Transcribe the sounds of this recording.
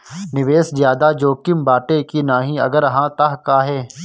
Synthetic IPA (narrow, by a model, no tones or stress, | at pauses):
nɪʋeːszjaːd̪ad͡ʒoːkɪmbaːʈekinaːɦĩːɐ̰ɡəɾɦãːt̪aɦkaːɦɛː